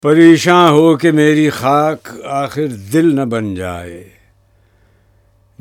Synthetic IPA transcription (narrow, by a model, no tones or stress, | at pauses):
pɐɾeːʃãːɦoːkemeːɾixaːkaːxɪɾd̪ɪlnɐbɐnd͡ʒa̰ːeḛː